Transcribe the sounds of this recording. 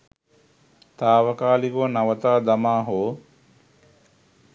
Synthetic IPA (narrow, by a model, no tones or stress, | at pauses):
t̪aːʋəkaːlikonaʋət̪aːd̪amaːɦoː